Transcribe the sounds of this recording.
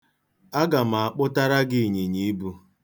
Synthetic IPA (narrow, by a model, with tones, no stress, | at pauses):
a˦ɡa˨ma˨a˨k͡pʊ˦ta˦ɾa˦ɡɪ˦˨ɲe˨ɲi˦i˦bu˦